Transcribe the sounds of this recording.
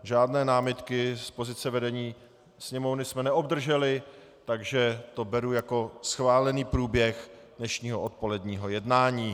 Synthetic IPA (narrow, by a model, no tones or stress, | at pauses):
ʒaːdnɛːnaːmɪt̪kɪspo̞zɪt͡sɛvɛdɛɲiː | sɲɛmo̞vnɪsmɛnɛʔo̞bd̪r̩ʒɛlɪ | t̪aɡʒɛt̪o̞bɛɾujako̞sxvaːlɛniːpɾuːbjɛxdnɛʃɲiːɦoʔot̪̚po̞lɛdɲiːɦo̞jɛdnaːɲiː